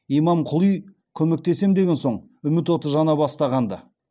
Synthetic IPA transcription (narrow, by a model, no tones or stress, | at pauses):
ijmɑmqʰʊlˠij | kʲʰɵme̞k̚t̪e̞se̞md̪e̞ɡʲe̞nso̞ɴ | ʏmɪt̪wo̞t̪əʒɑnɑbɑst̪ɑʁɑnd̪ə